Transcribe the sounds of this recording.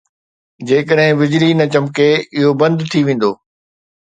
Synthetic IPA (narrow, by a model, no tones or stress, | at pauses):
d͡ʑeːkəɗɦɪ̃bɪd͡ʑlinɐt͡ɕɐmkeɪɦobɐ̃nd̪t̪ʰiʋẽːn̆d̪oː